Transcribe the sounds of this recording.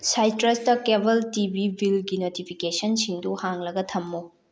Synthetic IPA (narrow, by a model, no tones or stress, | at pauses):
sajtɾestɐkebɐltibibʱilɡinotipʰikesɐnsiŋduhaŋlɐɡɐtʰɐmːo